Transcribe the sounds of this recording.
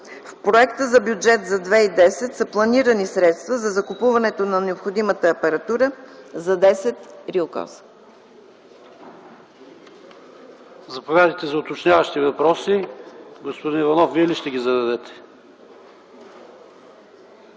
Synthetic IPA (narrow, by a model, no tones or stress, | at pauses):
fpɾoɛkt̪əzɐbjud͡ʒɛt̪zɐd̪vɛid̪ɛsɛt̪sɐplˠɐniɾənisɾɛt̪st̪vəzɐzɐkʊpuvɐnɛt̪onɐnɛopxod̪imət̪əːpɛɾɐt̪uɾəzɐd̪ɛsɛt̪ɾiokɔ̰s | zɐpovʲjad̪əjt̪ɛzɐʊt̪ot͡ʃnʲavɐʃt̪ivɐpɾɔsiɡospod̪inivɐnɔfviɛliʃt̪ɛɡʲizɐd̪ɐd̪ɛt̪ɛ̥